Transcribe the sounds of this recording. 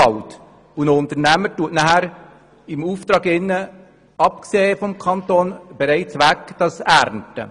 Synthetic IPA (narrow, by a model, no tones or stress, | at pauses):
ɑlt | unəʊnt̪əɾnæməɾtuətnæhæɾ | ɪmuːft̪ɾɑːɡɪnːə | ɑp̚kseːfɔmkʰɑntoːnb̥ɛɾɛɪt͡sʋækd̥ɑsæɾntə̰